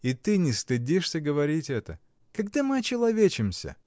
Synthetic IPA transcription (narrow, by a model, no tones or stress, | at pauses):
it̪ɨnʲɪst̪ɨdʲiʂsʲəɡəvɐɾʲitʲɛt̪ə | kɐɡd̪amɨɐt͡ɕɪlˠɐvʲet͡ɕɪmsʲə̰